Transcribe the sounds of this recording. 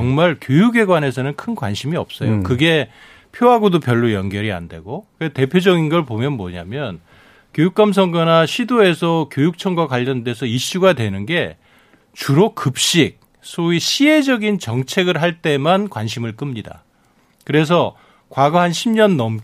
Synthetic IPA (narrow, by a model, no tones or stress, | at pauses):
ʌŋmaɭkjojuɡe̞ɡwane̞s̬ʰʌnɯnkʰɯnkwa̰nɕʰimiʌp̚s͈ʌ̰jo̰kɯɡe̞ | pʰjoɦaɡodopjʌɭːojʌnɡjʌɾia̰nde̞̰ɡokɯete̞pʰjod͡ʑʌɡinɡʌɭpomjʌnmʌɲa̰mjʌn | kjojuk͈̚ams̬ʰʌŋɡʌnaɕʰidoe̞sʰʌkjojuk̚t͡ɕʰʌŋɡwakwaʎːʌnde̞sʰʌiɕ͈uɡadwenɯnɡe̞ | t͡ɕuɾokɯp̚ɕ͈ik̚ | sʰoiɕʰiɦe̞d͡ʑʌɡint͡ɕʌŋt͡ɕʰe̞ɡɯɭɦaɭt͈e̞mankwanɕʰimɯɭk͈ɯmɲida̰ | kɯɾe̞s̬ʰʌ | kwaɡʌɦanɕʰimɲʌnːʌm